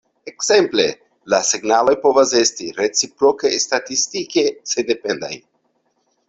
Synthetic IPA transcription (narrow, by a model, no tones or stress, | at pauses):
e̞kse̞mple̞ | laseɡnalo̞jpo̞vase̞stiɾet͡sipɾo̞kestatistike̞sende̞pe̞nda̰j